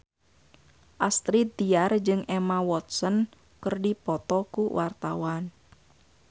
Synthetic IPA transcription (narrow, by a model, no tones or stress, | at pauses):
ʔast̪ɾid̪iard͡ʒɨŋʔɛmawɔt̪sən | kərdipɔt̪ɔkuwʔart̪awan